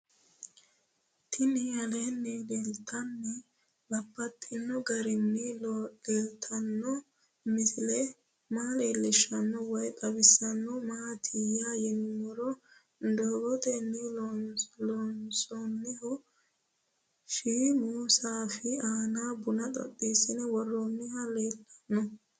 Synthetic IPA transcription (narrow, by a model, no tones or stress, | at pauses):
t̪ʰɪnɪɐlenːɛdɛlt̪ʰɐnːɛ | bɐpːɐt̪ʼːɪnːɔɡɐɾɪnːɪldɛlt̪ʰɐnːɔ | mɪsɪlɛ | maːleːlːɪʃːɐnːɔwɔjkʼɐbɪsːɐnːɔmaɐt̪ʰɪjaːjɪnːɔɾɔ | nd̪oːɡɔt̪ɛnːɪlɔnlɔnsɔnːɪɦɔ | ʃiːmuːsaːfɪaːnaːbʊnɐt̪ʼɔ̰tːiːsɪnɛwɔrːɔnːɪhɐleːlɐ̥nːɔ